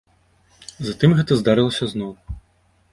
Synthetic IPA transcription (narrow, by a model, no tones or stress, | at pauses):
zat̪ɨmɣɛt̪ɐzd̪aɾɨlˠɐsʲɐznɔw